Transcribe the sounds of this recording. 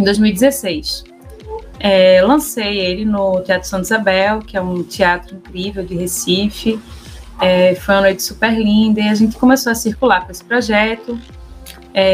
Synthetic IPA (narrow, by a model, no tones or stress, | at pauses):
ẽd̪ojzmiwid̪ɪzesejs | ɛlɐ̃sejelɪnʊt̪iat̪ɾʊsɐ̃nt̪izabɛwkɪɛũt̪iat̪ɾʊĩkɾivewd͡ʒɪɦesifɪ | ɛfojɐ̃nojt̪ɪ̥supeɾlĩd̪ɐiaʒẽnt̪ɪ̥kõmesoɐsiɾkulaɾkõesɪ̥pɾɔʒɛt̪ʊ | ɛ